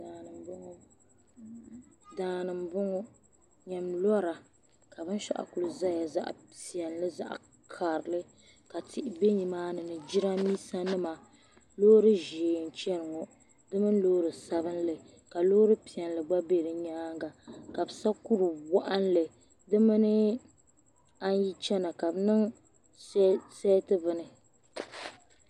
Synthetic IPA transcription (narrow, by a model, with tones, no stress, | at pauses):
a˨nɨ˨mbŋ˦ | daː˨nɨ˨mbʊ˦ŋɔ˦ | ɲɛ˨mlɔ˦ɾa˨ | ka˨bɨ˦n˦ʃa̰˦ʔa̰˨ku˨lɨ˨za˦ja˨za̰˦ʔpi˨ɛ˨nlɨ˦za̰˦˨ʔ | kʰa˨ɾɨ˨lɨ˦ | ka˨tʰɪ˨ʔɪ˨be˦ɲi˨maː˦nɨ˨nɨ˨d͡ʒi˦ɾa˦miː˦sa˦nɨ˦ma˨ | loː˦ɾɨ˦ʒeː˨n̩˨t͡ʃɛ˦ɾɨ˨ŋo˨ | dɨ˦mɨ˦n˦loː˦ɾɨ˨sa˦βɨ˦n˦lɨ˨ | ka˨loː˦ɾɨ˦pi˨ɛ˨nlɨ˨ɡ͡ba˦be˦ɾɨ˨ɲaː˦ŋɡa˨ka˨bɨ˨sa˦ku˦ɾɨ˨wa˦ʔa˦nlɨ˨ | dɨ˦mɨ˦nɨ˦ | a˦n˦ji˦t͡ʃɛ˦na˨ka˨bnɨ˦ŋ | sɛ˦tɨ˦vɨ˦nɨ˨